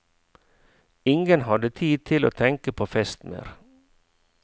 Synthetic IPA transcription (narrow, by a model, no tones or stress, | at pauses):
ɪŋɡənhɑd̪ət̪ʰiːd̪̚t̪ʰɪlo̰ːt̪ʰɛŋkəpʰoːfɛst̪mḛːɾ